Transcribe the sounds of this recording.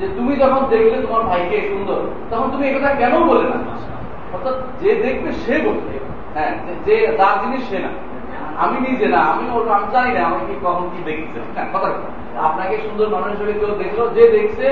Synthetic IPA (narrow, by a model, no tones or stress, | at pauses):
d͡ʑet̪umid͡ʑɔkʰond̪ekʰlet̪omaɾbʱajkeʃund̪oɾ | t̪ɔkʰont̪̬umiekɔt̪ʰakɛnobolena̰ | ɔɾt̪at̪d͡ʑed̪ek̚ʰbeʃebot̪ʰːḛ | ɦɛ̃ed͡ʑet̪aɾd͡ʑiniʃːena̰ | a̰minid͡ʑenaamioɾkamt͡ɕajnaamaekikɔkʰonkid̪ekʰt͡ɕʰḛɦɛ̃bɔt̪ʰabe | a̰pnakeʃund̪oɾmanoiʃ̬oɾit̪od̪ekt͡ɕʰilod͡ʑed̪ekʰt͡ɕʰe